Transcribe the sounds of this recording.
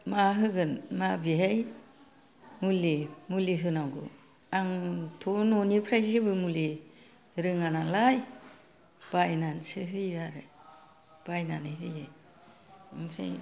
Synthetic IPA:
maɦɯɡɯnmabiɦej | mulimuliɦɯnawɡɯ̰ | aŋtʰononipʰɾajzibɯmuli | ɾɯŋanalaj | b̥ajnansɯɦɯjaɾɯ | b̥ajnanɯɦɯjaj | mpʰɾḛj

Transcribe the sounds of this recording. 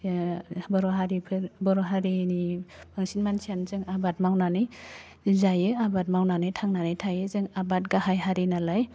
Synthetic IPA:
bɔɾɔɦaɾipʰɯɾbɔɾɔɦaɾinibʰaŋsinmansianzɯŋabat̚mawnanɯj | zajɯabat̚mawnanɯjtʰaŋnanajtʰajɯzɯŋabat̚ɡaɦajɦaɾinalaj

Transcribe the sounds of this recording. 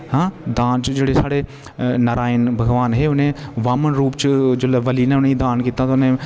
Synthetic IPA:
ɦãːd̪aːnt͡ʃd͡ʒeːɽesaːɽeː | nəɾaːɪnbʱəɡʋaːnɦeːʊnẽːʋaːmənɾuːpt͡ʃd͡ʒoːlaːʋəliːnɛ̃ːʊnẽid̪aːnkiːt̪at̪ːʊnẽː

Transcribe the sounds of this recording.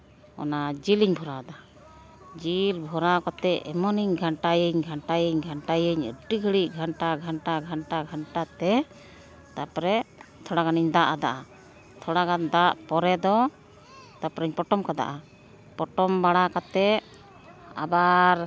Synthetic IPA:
ɔ̰nad͡ʒiliɲbʱɔɾad̪a | d͡ʒilbʱɔɾakat̪ɛɛmɔniɲɡʱaɳʈajəɲɡʱaɳʈajəɲɡʱaɳʈajəɲə̰ɖiɡʱəɽiʔ̚ɡʱaɳʈaɡʱaɳʈaɡʱaɳʈaɡʱaɳʈat̪ɛ | t̪apɾɛt̪ʰɔɽaɡaniɲd̪aʔad̪aʔa | t̪ʰɔɽaɡand̪aʔpɔɾɛd̪ɔ | t̪apɾɛɲpɔʈɔmkad̪a̰ʔa | pɔʈɔmbaɽakat̪ɛʔ | a̰baɾ

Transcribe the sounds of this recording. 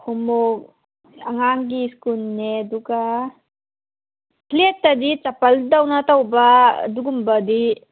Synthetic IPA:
hʰumok̚ | aŋaŋɡiskulneɐduɡa | pʰletːadit͡ʃapɐldawnatʰawba̰duɡumbadi

